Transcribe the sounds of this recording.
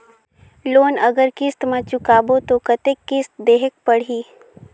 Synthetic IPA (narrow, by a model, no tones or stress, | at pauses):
loːnɐɡəɾkɪst̪mẽt͡ʃʊkaːbot̪okɐt̪ekːɪst̪d̪eːɦək̚pəɽ̤iː